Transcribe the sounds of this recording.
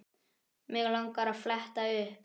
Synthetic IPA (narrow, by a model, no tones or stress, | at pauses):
mɛɣlaŋkaɾaflɛht̪aʏ